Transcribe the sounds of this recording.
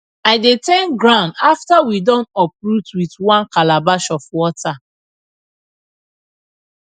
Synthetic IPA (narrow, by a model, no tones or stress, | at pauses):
aɪdetɛ̃nɡɹãʊ̃ndaftawidɔ̃nɔp̚ɹutwitwãnkalabaʃɔfwɔtʰa